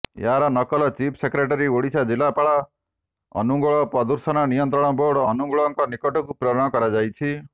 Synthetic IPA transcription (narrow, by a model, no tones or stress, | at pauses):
jaɾanʌkɔlɔt͡ʃipʰsekɾeʈaɾioɽisad͡ʒilapaɭa | ɔ̰nuɡɔɭɔpɔd̪uɾsɔnanijɔnt̪ɾɔɽ̃ɔboɽːnuŋɡɔɭɔŋkɔnikɔʈɔkupɾɔɾɔɽ̃ɔkɔɾad͡ʒajt͡ʃʰi